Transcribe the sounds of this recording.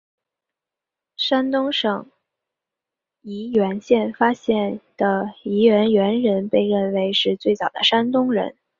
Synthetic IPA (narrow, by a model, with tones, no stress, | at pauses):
ʂa˥nt̪ʊ˥ŋʂɤ˨˩ŋ | i˧˥ɥɛ˧˥nɕjɛ˥˩nfa˥ɕjɛ˥˩nd̪̥ə˩i˧˥ɥɛ˧˥nɥɛ˧˥nɻə˧˥npe˥˧ɪɻə˥˩nwe˧˥ɪʂɻ̩˥˧t͡swe˥˩ɪt͡sɑ˨˩ʊd̪ə̰˦ʂa˥nt̪ʊ˥ŋɻə̰˧˥n